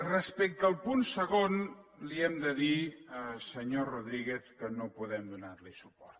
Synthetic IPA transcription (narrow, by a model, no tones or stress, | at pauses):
rəspɛk̚t̪əːlˠpunsəɣonliɛmd̪əðiəsəɲoruðɾiɣeθkənopuðɛmd̪unaɾlisupɔɾt̪